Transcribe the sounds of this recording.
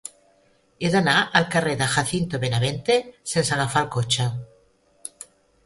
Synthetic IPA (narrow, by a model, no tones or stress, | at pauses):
eðanaʔalkareðaxaθint̪oβenaβent̪esensaɣafalkot͡ʃa